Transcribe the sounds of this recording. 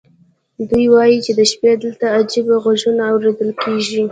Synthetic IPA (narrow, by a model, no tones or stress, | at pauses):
d̪ujwɑjit͡ʃed̪əʃped̪əlt̪aːd͡ʒibaɣaʒunaawɾed̪əlkeʒi